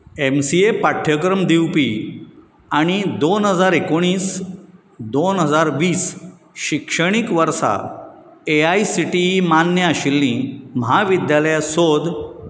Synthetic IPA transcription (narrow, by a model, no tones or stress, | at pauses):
emsiepaʈʰjəkɾəmd̪iwpi | aɽ̃id̪onɦəd͡zaɾekoɽ̃iːs | d̪onɦəd͡zaɾʋiːs | ɕikʂəɽ̃ikʋəɾsa̰ | eaisiʈiɦimanjəaɕilːĩməɦaʋid̪jaləjasod̪